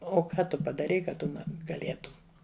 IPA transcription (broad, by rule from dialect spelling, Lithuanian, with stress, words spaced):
oː ˈkɐ ˈtʊ pɐdɐˈrʲɛɪ kɐ ˈtʊ ɡɐˈlʲeːtʊm